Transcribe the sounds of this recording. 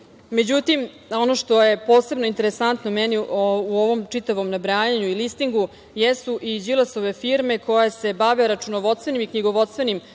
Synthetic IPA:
med͡ʑut̪im | o̞noʃt̪o̞je̞po̞ːse̞bnoint̪e̞ɾesant̪nomɛniouoʋo̞mt͡ʂit̪aʋo̞mnabɾaːɲaɲuilist̪iŋɡu | jesuʔid͡ʑilˠasoʋe̞fiɾme̞ko̞jase̞baʋeɾat͡ʂunoʋo̞t̪st̪ʋenimikɲiɡoʋo̞t̪st̪ʋenim

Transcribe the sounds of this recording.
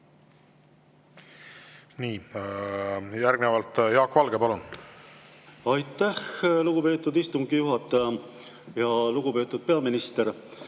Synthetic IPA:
niː | jæɾɡnevɑlt̪jɑːkːvɑlɡepɑlun | ɑjt̪ːˑæxluɡ̥upe̞ːt̪ːˑud̪ist̪uŋɡ̥ijuɦɑt̪ːˑɑjɑ | jɑluɡ̥upe̞ːt̪ːˑud̪̥̚pe̞ɑminist̪eɾ

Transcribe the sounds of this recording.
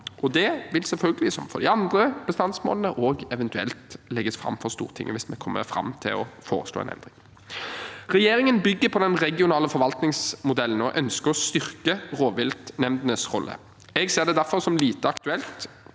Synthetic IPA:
ʔɔd̪ɛʋɪlsɛlfœlɡəlɪsɔ̰mfɔ̰d̪ɪɑnd̪ʁəb̥əst̪ɑnsmo̰ːlənəʔoːɡɛʋɛnt̪ʉɛ̰lt̪lɛɡːəsfɾʁɑ̰mːfɔʁst̪ṵːʁt̪ʰɪ̰ŋːʔəʋɪsmɛkʰɔmːə̰ɾfɾɑ̰mt̪ʰɪ̰lɔfoːʁəslo̰ːɛ̰nɛ̰nd̪ʁɪŋ | ʁɛjeːɾɪŋənbʏɡːəpʰɔd̪ɛnʁɛɡɪʊnɑːləfɔɾʋɑlt̪nɪŋsmʊd̪ɛlːən̩ɔʔœnskəɾɔst̪ʏʁkəʁoːʋɪlt̪nɛmd̪ənəsʁɔ̰lːə̰ | ɛɡseːʁd̪ɛd̪æɾfɔʁsɔmliːt̪əɑkt̪ʉɛlt̪

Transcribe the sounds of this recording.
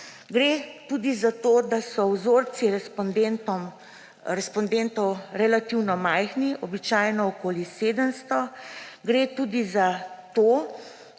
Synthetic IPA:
ɡɾet̪uːd̪izat̪oːd̪asɔwzoɾsiɾɛspɔnd̪ent̪ɔm | ɾɛspɔnd̪ent̪ɔwɾɛlat̪iwnɔmajxniʔɔbit͡ʃaːjnɔɔkoːliseːd̪əmst̪ɔɡɾeːt̪uːd̪izat̪oː

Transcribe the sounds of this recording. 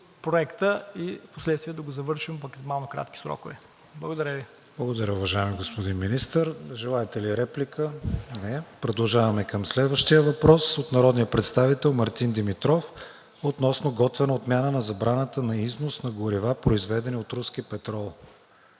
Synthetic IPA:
pɾoɛkt̪əifposlɛt̪st̪vʲiɛd̪ɐɡozɐvɤɾʃimpokzmalˠnokɾa̰t̪k̟i̥sɾɔ̰kovɛ | blˠɐɡod̪ɐɾʲəvi | blˠɐɡod̪ɐɾʲəʊvɐʒaimiɡospod̪inminist̪əɾʒɛlˠaɛt̪ɛliɾɛplikʰənɛpɾod̪ɐlˠʒavɐmɛkəmslɛd̪vəʃt̪ijəvɐpɾɔsot̪nɐɾɔd̪nijəpɾɛt̪st̪avit̪ɛlˠmɐɾt̪ind̪imit̪ɾɔf | ot̪nɔsnoɡɔt̪vɛnɐot̪mʲjanənɐzɐbɾanət̪ənɐiznosnɐɡoɾivapɾoizvɛd̪ɛniot̪ɾuskipɛt̪ɾɔlˠ

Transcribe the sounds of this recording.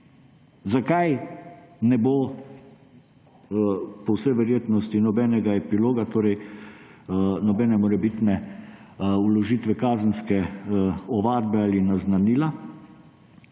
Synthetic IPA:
zakaj | nɛbo | pɔwsɛjʋɛɾjeːt̪nɔst̪inɔbɛːnɛɡaɛpiloːɡat̪oːɾɛj | nɔbɛːnɛmɔɾɛbit̪nɛ | ulɔʒiːt̪ʋɛkaːzənskɛ | ɔʋaːd̪̚bɛalinaznaniːla

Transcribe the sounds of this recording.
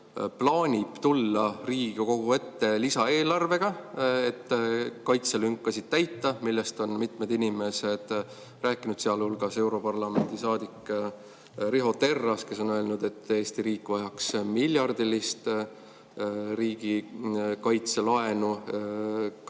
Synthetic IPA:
plɑːnʲib̥t̪ulːɑriːɡ̥uko̞ɡ̥ue̞t̪ːe̞lisɑe̞ːlɑrve̞ɡ̥ɑe̞t̪ːkɑjt̪selyŋkːˑɑsid̪̥̚t̪æjt̪ːɑmilːest̪o̞nmit̪med̪inʲime̞sed̪̥ | ræːkːˑinud̪̥seɑlhulɡ̥ɑse̞wɾo̞pɑrlɑme̞nd̪isɑːd̪ikː | riɦo̞t̪e̞rːɑske̞so̞nøe̞lnud̪e̞t̪ːe̞ːst̪iɾiːkːˑvɑjɑksmilʲjɑrd̪ilist̪ | ɾiːɡ̥ikɑjt̪se̞lɑe̞nu

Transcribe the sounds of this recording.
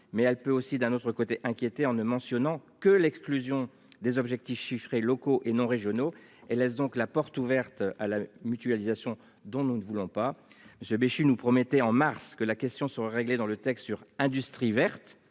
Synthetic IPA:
mɛɛlpøosid̪ɛ̃not̪χəkot̪eʔɛ̃kʲjet̪eɑ̃nəmɑ̃sjɔnɑ̃kəlɛksklyzjɔ̃ | d̪ezɔbʒɛk̚t̪ifʃifχelɔkoʔenɔ̃ʁeʒjɔno | elːɛs̬d̪ɔ̃klapɔʁt̪uvɛʁt̪alamyt̪ɥalizasjɔ̃ | d̪ɔ̃nunəvulɔ̃paməsjøbeʃynupχɔmɛt̪ɛɑ̃maʁskəlakʲɛst̪jɔ̃səʁaʁeɡled̪ɑ̃lət̪ɛkst̪syʁɛ̃d̪yst̪χivɛʁt̪

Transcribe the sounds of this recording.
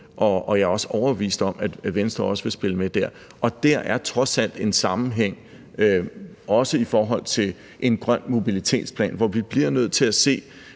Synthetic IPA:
ʔɒ̽ɒjɑ̈ɒ̽səɒʊɐʋḭːsd̥ɒ̽mæd̥ʋensd̥ʁɐɒ̽səʋe̝sb̥e̝ləmed̥æɐ̰ | ʔɒ̽d̥æɐʔæɐt͡sʰʁɒ̽sæl̰d̥e̝nsɑ̈mn̩ɦeŋ̰ | ø | ɒ̽səifɒːɦɒ̽l̰t͡sʰe̝l | ʔe̝nɡ̥ʁɶn̰mo̝bilit͡sʰe̝̰ːd̥spʰlɛ̰ːnʋɒʋib̥liɐnøð̞̰ˠt͡sʰe̝æse̝̰ː

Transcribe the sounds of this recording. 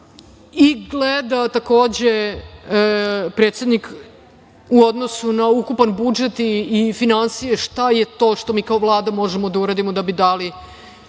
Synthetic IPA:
iɡled̪at̪ako̞ːd͡ʑe | pɾe̞ːt̪sjed̪nik | uo̞d̪no̞sunaukupanbud͡ʒet̪iːfinansijeʃt̪ajet̪o̞ːʃt̪omiːkaoʋlˠaːd̪amo̞ʒemod̪auɾad̪imod̪abid̪ali

